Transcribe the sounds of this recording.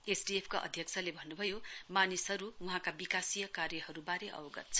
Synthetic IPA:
esɖiepʰkaʔʌ̰d̪ʱjʌkt͡sʰʌlebʱʌnːubʱʌjomanisɦʌɾuwuɦãkabikasijʌkarjʌhʌɾubaɾeʔʌ̰woɡʌ̰t̪̚t͡sʰʌ̥

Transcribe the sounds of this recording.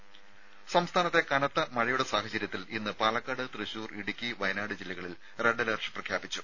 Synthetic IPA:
sɐmst̪ʰaːnɐt̪ːe̞kɐnɐt̪ːɐmɐɻɐjuɽesaːhɐt͡ɕɐɾjɐt̪ːilinːɨpɐːlɐkːɐɽɨt̪rɨɕuːriɽukʲːiʋɐjnaːɽɨd͡ʑilːiɣɐɭil | re̞ɳɖɐlɐrʂɨ̥prɐkʰjaːbit͡ɕːu̥

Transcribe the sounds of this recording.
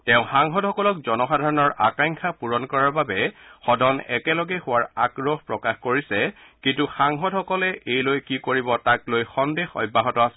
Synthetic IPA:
tɛʊ̃xaŋɦɔdhɔkɔlɔkzɔnɔxadʱaɹɔnɔɹʔa̰kaŋkʰapuɹɔnkɔɹaɹbabɛxɔdʱɔnɛ̰kɛlɔɡɛxʊwaɹaɡɹɔhpɹɔkaxkoɹisɛkĩntuxaŋɦɔdhɔkɔlɛʔejlojkikoɹibɔtaklojxɔndexɔ̰jbʱːaɦɔtɔasɛ

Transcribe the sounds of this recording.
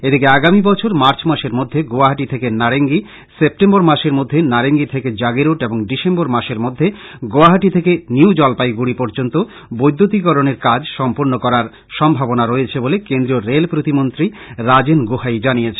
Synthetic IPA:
ed̪ikeaɡamibɔt͡ɕʰoɾmaɾt͡ɕmaʃeɾmod̪ʱːeɡoaɦaʈit̪ʰekenaɽeŋɡi | sep̚ʈemboɾmaʃeɾmod̪ʱːenaɾeŋɡit̪ʰeked͡ʑaɡeɾoʈeboŋɖiʃemboɾmaʃeɾmod̪ʱːeɡoaɦaʈit̪ʰekeniwd͡ʑɔlpajɡuɽipɔɾd͡ʑont̪o | bojd̪ʱːot̪̬ikɔɾoneɾkad͡ʑʃɔmpoɾnokɔɾaɾ | ʃɔmbʱabonaɾoet͡ɕʰebolekend̪ɾioɾelpɾot̪imont̪ɾi | ɾad͡ʑenɡohajd͡ʑanijet͡ɕʰe̥

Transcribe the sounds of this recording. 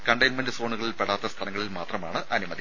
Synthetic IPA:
kɐɳɖɐjnmɐnɖɨsoːɳuɣɐɭilpeɽaːt̪ːɐst̪ʰɐlɐŋːɐɭilmaːt̪rɐmaːɳɨʔɐnumɐd̪i

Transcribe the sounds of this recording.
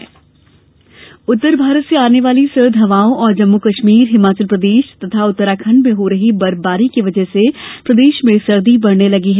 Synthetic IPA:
ʊt̪ːəɾbʱaːɾət̪seaːneʋaːlisɐɾd̪ʱɦɐʋaːõʔɔːɾd͡ʒɐmːukɐʃmiːɾɦɪmaːt͡ʃəlpɾɐd̪eːʃt̪ɐt̪ʰaʊt̪ːəɾaːkʰə̃ɳɖmẽɦoɾɐɦibɐɾbaːɾikiʋɐd͡ʒəɦsepɾɐd̪eːʃmẽsɐɾd̪ibɐɽnelɐɡiɦɛ

